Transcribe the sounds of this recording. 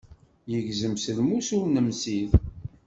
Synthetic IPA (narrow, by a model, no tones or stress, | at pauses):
jəʝzəmsəlmusʊɾnəmsið